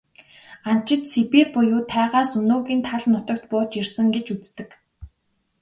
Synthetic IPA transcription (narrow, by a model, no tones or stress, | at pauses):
an̥t͡ɕɪ̆t̪sipiːrpʊjʊːt̪ʰæːʁaːsɵnoːɣiːnt̪ʰaɮnʊt̪ɞ̆kt̪̚pʊːt͡ɕirsə̆ŋɡet͡ɕut͡st̪ɘ̆k